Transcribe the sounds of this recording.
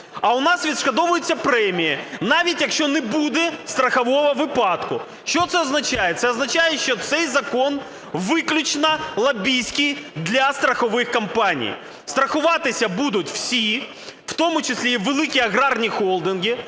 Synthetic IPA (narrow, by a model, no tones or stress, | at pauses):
ɐʊnɑsʋʲid̪ʃkɐd̪ɔʋʊjʊt͡sʲːɐpɾɛmʲijɪnɑʋʲitʲjɐkʃt͡ʃɔnɛbud̪ɛst̪ɾɐxɐʋɔʋɐʋɪpɑt̪kʊ | ʃt͡ʃɔt̪sɛɔznɐt͡ʃajɛt̪sɛɔznɐt͡ʃajɛʃt͡ʃɔt̪sɛjzɐkɔn | ʋɪklʲʊt͡ʃnɐlˠɐbʲijsʲkɪjd̪lʲɐst̪ɾɐxɔʋɪxkɐmpɑnʲḭj | st̪ɾɐxʊʋɑt̪ɪsʲɐbud̪ʊtʲw̥sʲi | w̥t̪ɔmʊt͡ʃɪsʲlʲiʋelˠɪkʲiɐɣɾɑrnʲixɔlˠd̪ɪnɡʲɪ